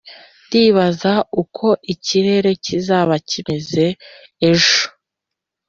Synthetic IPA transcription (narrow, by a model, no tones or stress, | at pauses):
ntiːβazaukʰo̞ʔiciɾe̞ɾe̞cizaːβacime̞ze̞ː | ʒo